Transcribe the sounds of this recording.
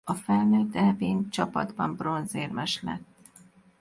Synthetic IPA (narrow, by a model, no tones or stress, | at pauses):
ɒfɛlnøːt̪ːɛveːnt͡ʃɒpɒ̰d̪bɒmbro̞nzeːrmɛʃlɛ̰t̪ː